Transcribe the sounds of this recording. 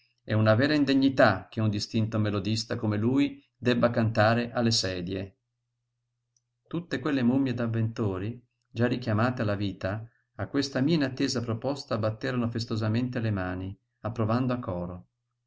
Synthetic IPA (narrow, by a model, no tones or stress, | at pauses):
ɛunavɛːɾaind̪eɲːit̪ak̟eund̪ist̪int̪omelod̪ist̪akomeluːj | d̪ɛbːakant̪aːɾeʔalːesɛːd̪je | t̪ut̪ːekwelːemumːjed̪avːent̪oːɾi | d͡ʒarːik̟jamaːt̪ealːaviːt̪aː | kːwest̪amiainat̪ːeːzapɾopɔst̪abːat̪ːeːɾanofest̪ozament̪elemaːni | apːɾovand̪oakːɔːɾo